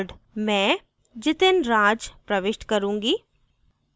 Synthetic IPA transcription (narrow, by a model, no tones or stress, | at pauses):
ɖmɛ̃ː | d͡ʒɪt̪ɪnɾaːd͡ʒpɾɐʋɪʃʈkɐɾũːŋɡiː